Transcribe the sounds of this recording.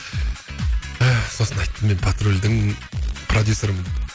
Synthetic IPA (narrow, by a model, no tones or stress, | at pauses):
æso̞sənɑjt̪ːəme̞npʰat̪ɾulʲd̪ɪŋpʰrod̪juso̞ɾəm